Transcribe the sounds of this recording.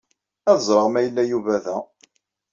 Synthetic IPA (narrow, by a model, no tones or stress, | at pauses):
æðəzˤɾˤəʁmæjəlːæjuvæðæ